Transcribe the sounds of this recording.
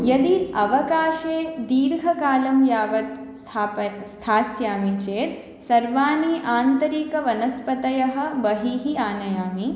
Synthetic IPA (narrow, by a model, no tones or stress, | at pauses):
jɐd̪iɐʋɐkaːʃeːd̪iːɾɡʱɐkaːlɐmjaːʋɐt̪ | st̪ʰaːpɐst̪ʰaːsjaːmit͡ʃeːt̪ | sɐɾʋaːniʔaːnt̪ɐɾiːkɐʋɐnɐspɐt̪ɐjɐɦɐ̆bɐɦiːɦiaːnɐjaːmi